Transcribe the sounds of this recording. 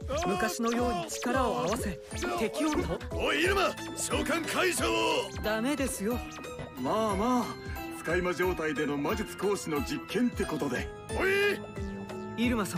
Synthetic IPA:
mɯ̟kaɕinojo̞ːɲ̟it͡ɕi̥kaɾao̞aβase̞ | t̪e̞kʲioooiɾɯma | ɕoːkãŋkʰaiʑoːd̪ame̞d̪e̞sɨjo̞ | maːmaːt͡sɨ̥kaimaʑo̞ːt̪aid̪e̞no̞mad͡ʑit͡sɨ̥ko̞ːɕino̞d͡ʑikːẽ̞nt̪e̞ko̞t̪o̞d̪e̞̰ | oi | iɾɯ̟masã

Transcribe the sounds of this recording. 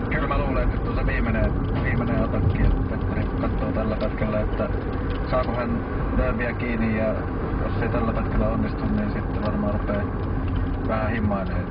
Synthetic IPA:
kylmæluːlennyt̪t̪osɑʋiːmeneʋiːmeneɑt̪ɑkːiet̪ːet̪ːænikɑt̪ːˑoːt̪ælːækɑt̪kelːæot̪ːæ | sɑːkosen | leæmiækiːnijjɑ | jo̰sːeit̪ælːæpɑt̪kælːæonːist̪unninsit̪ːæʋɑrmɑːrupˑeː | ʋæhæhimːˑɑˑeneː

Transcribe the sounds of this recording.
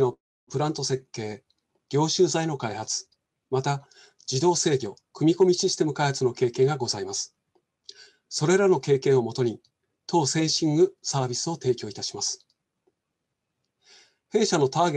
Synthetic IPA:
no̞ | pɯ̟ɾãnt̪o̞se̞kːe̞ː | ɡ̥ʲo̞ːɕɨːzaino̞kaihat͡sɨ̥ | mat̪a | d͡ʑid̪o̞ːse̞ːɡʲo̞ | kɯ̟mʲiko̞mʲiɕisɨ̥t̪e̞mɯ̟kaihat͡sɨno̞ke̞ːkẽ̞ŋɡaɡo̞zaimasɨ̥ | so̞ɾe̞ɾano̞ke̞ːkẽɰ̃o̞mo̞t̪o̞ɲ̟i | t̪ʰo̞ːsẽ̞ɰ̃ɕĩŋɡɯ̟saːbʲisɨo̞t̪e̞ːkʲo̞ːit̪aɕi̥masɨ̥ | he̞ːɕano̞t̪aːɡ

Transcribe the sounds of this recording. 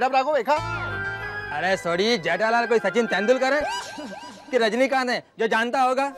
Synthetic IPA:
ʈabɾaːkobeːkʰaː | ɐɾeːsoːɽid͡ʒɛːʈaːlaːlk̬oːisɐt͡ʃɪnt̪ɛ̃ːnd̪ʊlkɐɾẽː | kiɾɐd͡ʒnik̬ãːd̪ɛ̃d͡ʒoːd͡ʒaːnt̪aɦoːɡaː

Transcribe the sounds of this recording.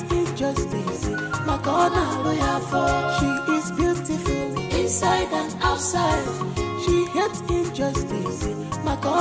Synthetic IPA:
ĩnd͡ʒʌstis | maɡɔdalojafɔʃiɪzbjutɪfʊɪ̃nsaɪdãnaʊtsaɪdʃihɛtĩnd͡ʒʌstis | maɡɔ

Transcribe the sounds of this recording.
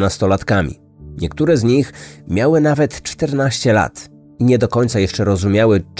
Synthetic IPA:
nast̪ɔlat̪kamʲḭ | ɲɛkt̪uɾɛzɲixmʲjawɘnavɛt̪t͡ʂt̪ɛɾnaɕt͡ɕɛla̰t̪ | iɲɛd̪ɔkɔɲt̪sajɛʂt͡ʂɛɾɔzumʲjawɘt͡ʂ

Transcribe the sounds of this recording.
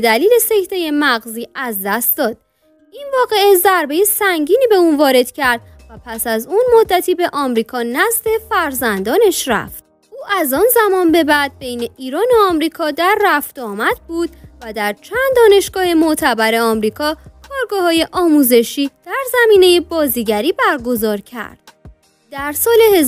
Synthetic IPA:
bed̪æliːle̞se̞kt̪ʰe̞je̞mæɣziːæzd̪æst̪̚d̪ɒːd̪̥̚ | invɒːɣe̞ezæɾbe̞jesæŋɟiːniːbe̞uːnvɒːɾe̞d̪̥cʰæɾd̪̥̚ | væpʰæsæzunmo̞d̪ːæt̪ʰiːbe̞ʔɒːmɾiːkʰɒːnæzd̪e̞fæɾzænd̪ɒːneʃræ̰ft̪̚ | ʔuːʔæzɒːnzæmɒːnbe̞bæd̪̚bejne̞ʔiːɾɒːnoɒːmɾiːkʰɒːd̪æɾːæft̪ɒːmæd̪̥̚buːd̪væd̪æɾt͡ʃʰænd̪̚d̪ːɒːne̞ʃɡ̥ɒːhe̞mot̪ʰæbæɾe̞ɒːmɾiːkʰɒːkʰɒːɾɡɒːhɒːje̞ʔɒːmuːze̞ʃiːd̪̥æɾzæmiːne̞jebɒːziːɟæɾiːbæɾɡo̞zɒːɾcʰæ̰ɾd̪̥ | d̪æɾsɒːle̞hez

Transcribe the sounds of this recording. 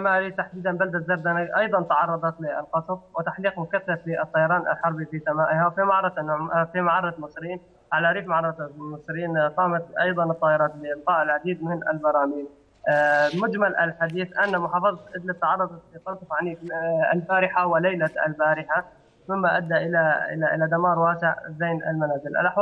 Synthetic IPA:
amaːlit̪aħd̪iːd̪anbald̪at̪zabd̪anaʔɑjd̪ˤɑnt̪ɑʕɑrˤːɑd̪ˤɑt̪lɪɪ̰lqɑsˤfwɪt̪aħliːqmʊkaθːaflɪʔt̪ˤːɑjɑɾˤɑːnʔa̰lħɑɾˤbifisamaːʔɪhafimaʕɑɾˤɑt̪fimaʕɑɾˤt̪mɨsˤɾiːn | ʕalaɾiːfmaʕɑrˤːɑmɨsˤɾɪiːnqɑːmat̪ʔɑjd̪ˤɑnɨt̪ˤːɑːʔɪɾˤɑːt̪lɪʔlqɑːʔɪlʕad̪iːd̪mɪnʔɪ̰lbɑɾˤɑːmiːn | mʊd͡ʒmalʔa̰lħad̪iːθʔanːamʊħɑːfɑðˤɑt̪ʔɪd̪lat̪ːɑʕɑrˤːɑd̪ˤɑit̪ɑɾˤt̪ˤʊfʕaniːa̰lfaːɾɪħawɪlajlaa̰lbaːɾɪħa | mɪmːaʔa̰d̪ːaʔɪlaɪ̰laʔɪlad̪amɑːɾˤwaːsɪʕzajnʔa̰lmanaːzɪlʔa̰lʔaħw

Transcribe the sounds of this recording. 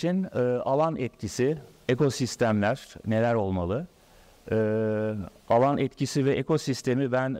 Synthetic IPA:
inɯːalˠanɛt̪cʰisieko̞sist̪ʰæmlʲæɾ̥ne̞lʲæɾo̞lˠmalˠɯ | ɯː | alˠanʔɛt̪cʰisivɛʔekʰo̞sist̪ʰe̞mibæn

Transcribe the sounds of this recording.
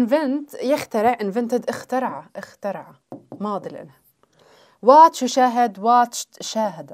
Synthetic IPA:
ʔnvɪnt̪jɪxt̪ɑɾɪʕʔɪnvɪnt̪ɪd̪ʔɪxt̪ɑɾˤʕaʔɪxt̪ɑɾˤʕa | mɑːd̪ˤilʔɪ̰nha | wɑːt̪ʃuʃaːɦɪd̪wɑːt̪ʃʃaːɦad̪a

